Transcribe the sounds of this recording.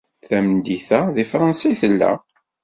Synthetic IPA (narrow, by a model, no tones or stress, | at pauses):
θæmnd̪iθæðifɾˤɑnsɑjθəlːæ̰